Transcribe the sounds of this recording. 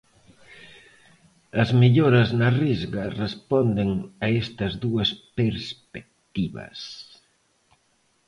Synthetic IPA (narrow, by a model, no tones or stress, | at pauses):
ɐzmiʎoɾɐznɐrizɣɐrespɔnd̪eŋɐest̪ɐzðuɐspeɾspek̚t̪iβɐ̰s